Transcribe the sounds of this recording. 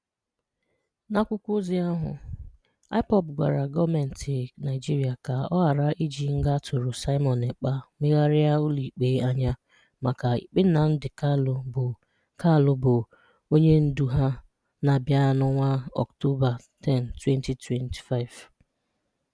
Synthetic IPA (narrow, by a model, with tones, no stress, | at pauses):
na˦kʷʊ˦kʷʊ˦zi˨a˦ɦʊ̰˨ | a˦ɪ˦pɔ˦bɡʷa̰˨ɾa˨ɡɔ˦me˨n̩˨tʰɪ˨na˨ɪ˨d͡ʒi˦ɾi˨a˨ka˨ɔ˦ɦa˨ɾa˦ʔi˦d͡ʒi˨ŋ̩˦ɡa˦tʰʊ˨ɾʊ˨sa˦ɪ˦mɔ˨ne˨k͡pa˦mɪ˦ɣa˦ɾɪ˦a˦ʊ˦li˨k͡pe˨˦a˦ɲa˦ | ma˨ka˨ḭ˨k͡pɪ˦na˨n̩˦dɪ˨ka˦lb | ka˦˨lʊ˦bʊ˨ | o˦ɲe˦n̩˦du˨ɦa˦ | na˨bja˦nʊ˦ŋʷa˦ɔ̰˨kto˦ba˨ | tɛ˦n̩˨twe˦n˦ti˨tʰwe˦ntʰi̥˨fa˦ɪ˨v